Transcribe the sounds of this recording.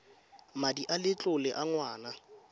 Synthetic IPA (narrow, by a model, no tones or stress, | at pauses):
madiʔalɪt͡ɬʼʊlɪʔaŋwaːna